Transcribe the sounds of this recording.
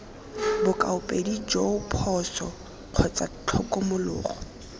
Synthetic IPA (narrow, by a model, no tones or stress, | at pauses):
bʊkʼa̰ʊpʼedid͡ʒopʰɔsɔ | q͡χʰɔt͡sʼat͡ɬʰɔkʼɔmʊlʊ̰ːχɔ